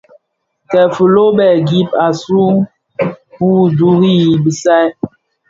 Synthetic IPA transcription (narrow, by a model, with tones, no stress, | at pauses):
tɛ˨fə˨lo˦bɛ˨ɡi˦p̚a˨su˦ | hu˦˨du˦ɣi˦i˨bi˨sa˦